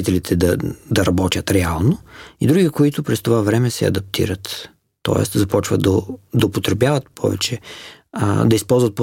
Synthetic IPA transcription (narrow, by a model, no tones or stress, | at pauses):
it̪ɛlit̪ʰɛd̪ɐd̪ɐɾɐbɔt̪ʲjət̪ɾɛalˠnoid̪ɾuɡikoit̪ʊpɾɛst̪ovavɾɛmɛsɛ̰ɐ̰d̪ɐp̚t̪ʰḭɾət̪ː | ɔ̰ɛ̰st̪zɐpɔt͡ʃvə̰d̪ɐd̪ɐopot̪ɾɛbjavɐt̪̚pʰɔ̰vɛ̰t͡ʃɛ̰ | d̪ɐispɔlˠzvət̪̚p